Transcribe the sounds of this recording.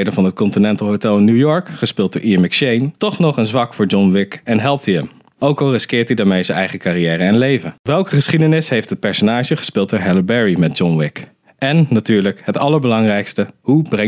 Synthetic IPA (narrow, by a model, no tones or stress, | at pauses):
jdənvɑnɦət̚kɔntinɛntəl̩ˠɦowtɛlˠɪnujɔɹkχəspɪlˠt̚doːɹʔimɪkʃejntɔχnɔχənzʋɑkfʊːɹd͡ʒɔnʋɪkɛnɦɛlˠp̚tiəm | owkɑlˠrɪskɪːɹtidaːɹmejzənɛ̰jχəkarijɛːɾəɛnlejvəʋɛlˠkəχəsχidənɪsɦejftɦət̚pɛɹsonaːʒəχə̥spɪːlˠt̚doːɹɦɛləbɛɹimɛd̚d͡ʒɔnʋɪk | ʔɛnːatyːɹləkɦətɑlˠəɹbəlɑŋrɛjkstəhubrɛ